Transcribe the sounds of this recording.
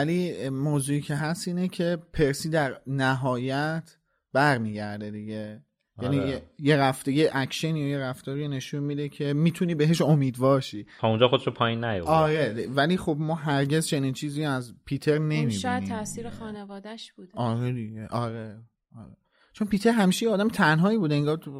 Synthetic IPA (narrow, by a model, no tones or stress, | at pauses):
vælimoːzuːiːcʰe̞ɦæst̪iːnecʰe̞pʰe̞ɾsiːd̪æɾnæɦɒːjæt̪ʰ | b̥æɾmiːɟæɾd̪e̞d̪iɟe̞ | jænijeje̞ɾæft̪ejeʔækʃenjɒjeɾæft̪ɒːɾijne̞ʃunmiːd̪ecʰe̞miːt̪ʰuniːbeɦe̞ʃo̞miːd̪vɒːɾʃiːt̪ʰɒũnd͡ʒɒːxod̪eʃopʰɒːjinːæjo̰fɒːɾe̞vælixo̞bmɒːɦæɾɟe̞zt͡ʃʰe̞niːnt͡ʃʰiːziːæzpʰit̪ʰe̞ɾne̞miʃːjæt̪ʰæsiːɾexɒːnevɒːd̪æʃbud̪̥ɒːɾed̪iɟe̞ʔɒːɾe | ʔɒɾe | t͡ʃʰonpiːt̪ʰe̞ɾɦæmiːʃejeːd̪æmet̪ʰænɦɒːiːbuːd̪eeŋɡɒː